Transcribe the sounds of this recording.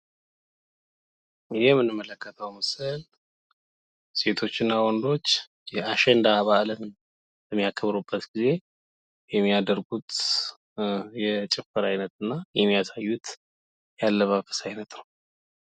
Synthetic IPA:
jɛmːɨnːɨmːələkːət̪ʰəwməsɨl | se̞t̪ʰo̞t͡ʃːɪnːawɔnd̪o̞t͡ʃː | jɛaʃɛnd̪aβaʔlən | bəmːijakʰəβɾubːət̪ɡ̥ize̞ | jɛmːijad̪əɾɡut̪ | jɛt͡ʃʼɛfəɾajnət̪ɨnːajɛmːijasajːut̪ | jalːəβafə̥sajnət̪nəw

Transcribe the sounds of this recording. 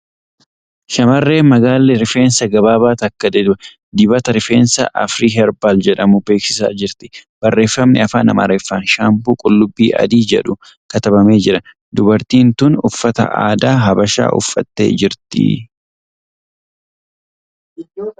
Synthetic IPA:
ʃɐmɐrːe̞ːmɐɡaːlːɛɾɪfe̞ːnsɐɡɐbaːbaːt̪ɐkːɐd̪ɛd̪ʊ | d̪ɪbɐt̪ɐɾɪfe̞̰ːnsɐ̰ʔɐ̰fɾiːɦɛɾbaːld͡ʒɛᶑɐmʊbe̞ːksɪsa̰ːd͡ʒɪɾt̪ɪ̥b̥ɐrːe̞ːfːɐmnɪɐfaːnɐ̰mɐ̰ɾeːfːaːnʃaːmpuːkʼʊlːʊbːiːʔɐ̰d̪iːd͡ʒɛ̰ᶑʊ | kɐt̪ɐbɐme̞ːd͡ʒɪɾɐ | d̪ʊbɐɾt̪iːnt̪ʊnʊfːɐt̪ɐ̰ʔa̰ːd̪aːɦɐbɐʃa̰ːʔʊ̰fːɐ̰t̪ːe̞̰ːd͡ʒɪɾt̪ɪ̰

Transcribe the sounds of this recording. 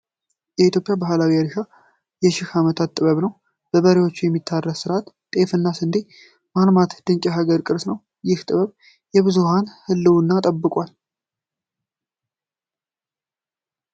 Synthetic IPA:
jɛit̪jo̞pʼjabaɦlawiaɾʃa | jɛʃɪhamət̪ʰat̪ːʼɨβəβnəw | b̥əβəɾewo̞t͡ʃːujɛmːit̪ʰːarːəssɨɾat̪ | t̪ʼe̞fɨnːasɨnd̪i | malmat̪d̪̥ɨɲt͡ʃʼaɦaɡəɾkʼɨɾsnəw | jɪht̪ʼɨβəβ | jɛβɨzuhanhɨlːɨwnːat̪ʼəbːɨkʼwal

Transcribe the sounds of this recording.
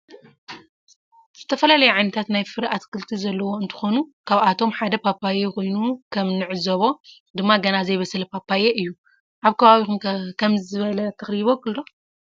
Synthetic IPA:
z̥ɨt̪ʰɐfɐlalɐjɛʕajnɐt̪ʰat̪najfɨɾʔat̪kʰɨlt̪ʰizɐlːɐwo̞ɨnt̪ʰɨ̥xo̞nukʰaβat̪ʰo̞mħad̪ɐpʰapʰːajeko̞jnukʰɐmnɨʕɨzɐβo̞ | d̪ɨmːaɡɐnazɐjβɐsɨlpʰapːajeʔɨjːu | ʔaβkʰɐβaβixumkʰɐmzzɨβɐlɐt̪ʰɐxɾiβokɨlːo̞

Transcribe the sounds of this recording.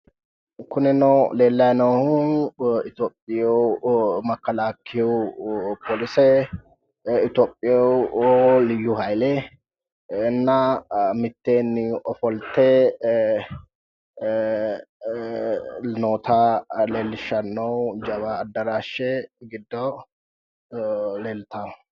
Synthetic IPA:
kʊnɛnɔwleːlːɐjnɐwhʊɪt̪oːpʼːɪjowmɐkːɐlaːkʰːɪwʊpʰolɪsɛ | ɪt̪oːpʼːɪjɔwlɪjːʊhɐjlɛ | nːɐmɪt̪ːeːnːɪɔfɔlt̪ːe | noːt̪aleːlːɪʃɐnːɐwd͡ʒɐβaːd̪ːɐɾaːʃɛɡɪd̪ːɔ | leːlt̪ʰa

